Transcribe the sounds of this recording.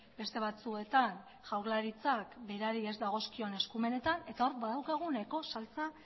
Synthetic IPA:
be̞st̪e̞βat͡sue̞t̪an | ʝawɾlaɾit͡sakbe̞ɾaɾie̞zd̪aɣ̞o̞skio̞ne̞skume̞ne̞t̪ane̞t̪ao̞ɾbaðawkaɣ̞unajko̞salt͡sa

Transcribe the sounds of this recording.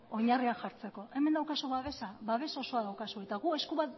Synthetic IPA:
o̞ɲariaʝaɾt͡se̞ko̞ʔe̞mend̪awkasoβaβe̞saβaβ̞e̞so̞so̞aðawkasue̞t̪aɣ̞ue̞skuβat̪

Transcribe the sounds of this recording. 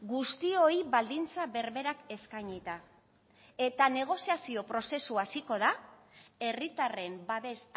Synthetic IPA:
ɡust̪io̞iβald̪int͡saβe̞ɾβe̞ɾake̞skajɲit̪a | e̞t̪ane̞ɣ̞o̞siasio̞pɾo̞se̞suasiko̞ða | e̞rit̪are̞mbaβe̞s

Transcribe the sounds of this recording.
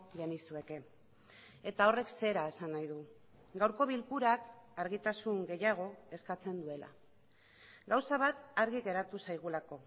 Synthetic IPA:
ʝenisue̞ke̞ | e̞t̪ao̞re̞kse̞ɾae̞sanːajðu | ɡawɾko̞βilkuɾakaɾɣit̪asuŋɡe̞jaɣ̞o̞e̞skat͡se̞nd̪ue̞la̰ | ɡawsaβ̞at̪aɾɣiɣe̞ɾat̪usajɣ̞ulako̞

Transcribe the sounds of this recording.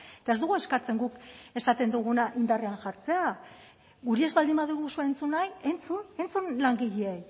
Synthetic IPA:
et̪ae̞zd̪uɣue̞skat͡se̞ŋɡuke̞sat̪e̞nd̪uɣ̞unaʔind̪areaŋʝaɾt͡se̞a | ɡuɾie̞zβald̪imbaðuɣusuent͡sunaje̞nt͡sune̞nt͡sunlaŋɡiʎeej

